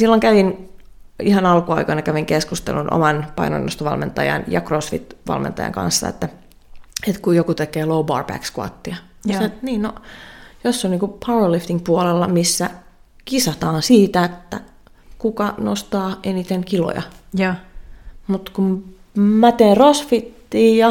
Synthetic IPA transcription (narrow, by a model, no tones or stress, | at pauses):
silːoŋkæʋin | ihɑnɑlkuɑikɑinɑkæʋiŋkeskust̪ḛlunʔo̰mɑnpɑ̰ino̰inːost̪ɑʋɑ̰lmḛnt̪ɑ̰jɑ̰njɑkrosfḭt̪ʋɑ̰lmʔḛnt̪ɑ̰jɑ̰ŋkɑ̰̃nsːɑ̰ḛt̪ːæ | et̪kujokut̪ekeːloubɑ̰ːrbæ̰kskuɑ̰t̪ːiɑ | set̪niːnnojosːonniːŋkupʰɑlift̪iŋkpuɑlelːɑmisːæ | kisɑt̪ɑːnsiːt̪æet̪ːæ̰ | kukɑno̰st̪ɑːenit̪eŋkilo̰jɑ̰ | mut̪kum | mæt̪eːnrosfit̪ːiːjɑ